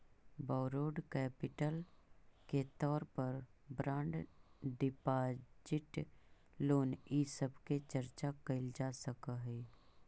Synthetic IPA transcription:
baːɾoːɖkɛːpɪʈəlket̪ɔːɾpəɾbɾãːɳɖɖɪpaːd͡ʒɪʈ | loːnisəbket͡ʃəɾt͡ʃakəɪld͡ʒaːsəkaɦɛː

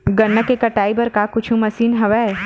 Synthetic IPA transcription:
ɡɐnːəkekɐʈaːibɐɾkakʊt͡ʃʰũmɐsiːnɦɐʋɛ

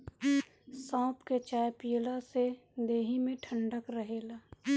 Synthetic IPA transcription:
sɔ̃ːpket͡ʃaːjpilased̪eːɦimẽʈʰə̃ɳɖəkɾəɦeːlaː

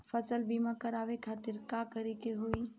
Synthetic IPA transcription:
fʰɐsəlbimãkɐɾaːʋekʰaːt̪ɪɾkakəɾikeɦoiː

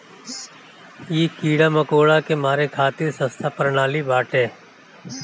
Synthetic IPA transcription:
jiːkiːɽaməkoːɭakemaːɾekʰaːt̪iɾsə̃st̪ʰapɾnaːlibaːʈẽː

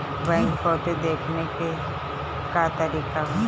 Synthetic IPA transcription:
bɛ̃ːŋkkɔːt̪ed̪eːkʰneke | kat̪ɐɾiːkaɦ

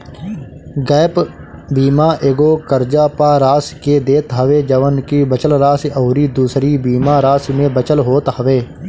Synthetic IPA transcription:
ɡɛːpbiːmãːʔeːɡoːkəɾd͡ʒaːpaːɾaːsked̪eːt̪ɦəʋeːd͡ʒəʋənkibət͡ʃəlɾaːsɔːɾiːd̪uːsɾibiːmaːɾaːsmẽbət͡ʃəlɦoːt̪əʋeː

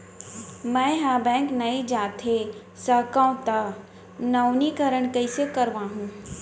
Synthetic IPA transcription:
mɛ̃ɦabɛ̃ːŋknɐid͡ʒaːt̪ʰe | sɐkãʊ̃t̪a | nɐwnikɐɾəɳ̃kəisəkɐɾʋãːɦũː

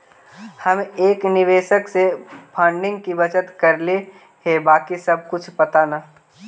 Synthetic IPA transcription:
hɐmeːknɪʋeːʃəksepʰãːɳɖɪ̃ŋɡ̚kibɐt͡ʃət̪kɐɾle | ɦebaːkisɐb̚kʊt͡ʃʰpɐt̪anaː

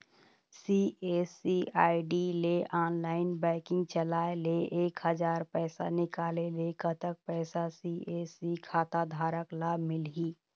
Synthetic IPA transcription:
siːeːsiaːɪɖileʔaːnlaːɪnbɛ̃ːkɪ̃ŋɡt͡ʃəlaːeleeːkɦəd͡ʒaːɾpɛːsa̰nɪkaːlelekʰət̪ək̚pɛːsasiʔeːsikʰaːt̪ad̪ʱaːɾəklaːbʱmɪlɦiː

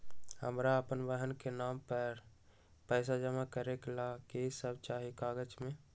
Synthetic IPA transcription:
hə̰mɾaəpənbəɦənkenaːmpəɾ | pəɪs̬ad͡ʒəmakəɾeklakesəbt͡ʃaːɦikaːɡət͡ʃmẽ

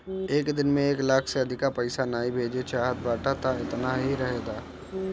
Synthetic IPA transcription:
eːkd̪ɪnmẽeːklaːkʰseɐd̪ʱɪkapɐɪsanaːibʱeːd͡ʒet͡ʃaːɦət̪̚baːʈat̪aɪt̪naɦiɾɐɦeːɡ̪aː

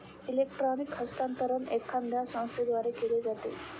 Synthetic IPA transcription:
ilek̚ʈɾɔnikhəst̪ant̪əɾənekʰːand̪ʱjasə̃w̃st̪ʰed̪ʋaɾekeled͡zat̪ḛ

